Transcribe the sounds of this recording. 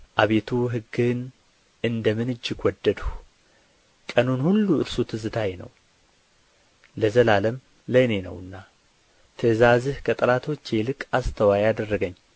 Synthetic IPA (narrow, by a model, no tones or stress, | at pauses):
ʔaβe̞t̪ʰuɦɨɡːɨn | ɨnd̪əmɨnɨd͡ʒːɪɡwɔd̪ːəd̪u | kʼənunhulːuɨ̰ɾsot̪ʰɨzɨt̪ʰajenə̰w | ləzəlaləm | ləne̞nə̰wɨnːa | t̪ʰɨzazɨhkʰət̪ʼɨlat̪ʰo̞t͡ʃːe̞lɨkʼast̪ʰəwajad̪ərːəɡəɲː